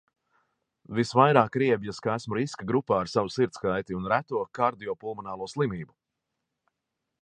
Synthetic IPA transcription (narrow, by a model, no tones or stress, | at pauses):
visvajɾaːkɾiɛbjaskaæsmuɾiskaɡɾupaːɾsavusiɾt̪skajt̪iunɾæt̪uɔkaɾd̪ijɔpulˠmɔnaːlˠuɔslˠimiːbu